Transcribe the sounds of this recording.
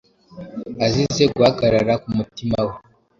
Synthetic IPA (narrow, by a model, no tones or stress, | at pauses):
azize̞ɡuhaɡaɾaɾakumutimawe